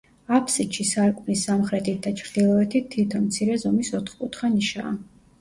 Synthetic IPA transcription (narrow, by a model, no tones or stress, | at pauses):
apʰsiʃisaɾkʼunisːamχɾɛt̪ʰit̪̚d̪at͡ʃʰɾd̪ilˠɔɛt̪ʰit̪ʰːit̪ʰɔnmt̪sʰiɾɛzɔmisɔt̪ʰχkʼut̪χaniʃa̰ː